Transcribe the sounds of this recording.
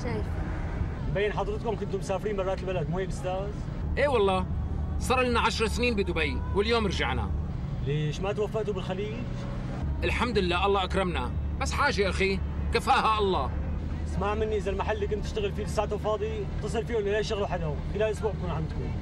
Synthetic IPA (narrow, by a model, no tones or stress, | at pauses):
a | bajːɪnħɑd̪ˤɾɨt̪̚kʊmkʊnt̪ʊmsaːfɾiːnmɑrˤːɑːt̪lbalad̪muhiːbʔʊst̪aːz | ʔeːwɑlˤːɑːsˤɑːɾˤlɪnaʕaʃɾˤɑsniːnbid̪ʊbajwɪljoːmɑɾʒaʕna̰ | leːʃmat̪wafːaʔt̪ubɪlxaliːd͡ʒ | ʔɪlħamd̪ɪlːaːʔɑlːˤɑːʔakɾˤɪmnabasːħaːʒeʔaxikafaːhaʔɑlˤːɑː | asmaːʕmɪnːiʔɪzalmaħalːiːkʊnt̪ːɪʃt̪aɣɪlfiːlɪsːaːʕt̪ʊlfɑːd̪ˤi | t̪ɨsˤɨlfiːwʊlːalaʃt̪aɣluħad̪hʊmkɪlalʔʊsbuːʕb̚kuːnʕamd̪̚kṵm